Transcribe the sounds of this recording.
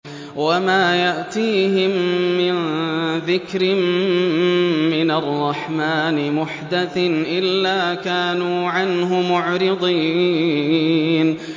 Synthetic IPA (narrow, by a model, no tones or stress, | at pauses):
wamaːjaʔt̪iːhɪmːɪnðɪkɾɪm | mɪnarˤːɑħmaːnɪmʊħd̪aθɪnʔɪlːaːkaːnuːʕanɦʊmʊʕɾɪd̪ˤiː | n